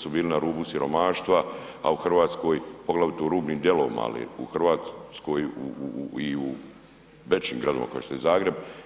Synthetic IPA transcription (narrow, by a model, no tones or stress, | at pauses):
subiːlinaɾuːbusiɾo̞maːʃt̪ʋa | a̰uxr̩ʋaːt̪sko̞ːjpo̞ɡlaʋjut̪oɾuːbniːmd̪je̞lo̞ːʋḭma̰a̰lḭṵxr̩ʋaːt̪sko̞juiu | ʋet͡ʃiːmɡɾad̪oma̰kojest̪ojezaːɡɾe̞b